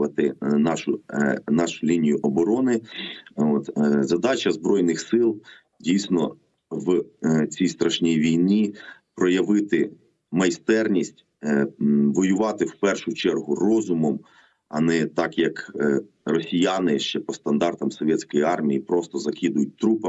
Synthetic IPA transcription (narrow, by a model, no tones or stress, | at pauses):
ɐt̪ɪnɑʃʊnɑʃʊlʲinʲijʊʔɔbɔɾɔnɪ | ot̪zɐd̪ɑt͡ʃɐzbɾɔjnɪxsɪlˠ | dʲijsʲnɔ | ʋt͡sʲijst̪ɾɐʃnʲijʋʲijnʲipɾɔjɐʋɪt̪ɪ | mɐjst̪ɛrnʲisʲtʲ | ʋɔjʊʋɑt̪ɪwpɛrʃʊt͡ʃɛrɦʊrɔzʊmɔm | ɐ̰nɛt̪ɑkjɐk | rɔsʲijanɪʃt͡ʃɛpɔst̪ɐnd̪ɑrt̪ɐmsɔʋʲjɛt͡sʲkɔjiɑrmʲijipɾɔst̪ɔzɐkid̪ʊjʊt̚ʲt̪ɾupɐ